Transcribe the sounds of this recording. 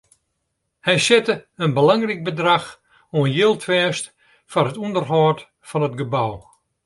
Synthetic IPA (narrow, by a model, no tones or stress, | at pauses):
hɛjsɪtəənbəlaŋrik̚bədrax | oənjɪlˠtʰfɛːst | fɔrɦətundərɦɔːt | fɔnətɡəbaw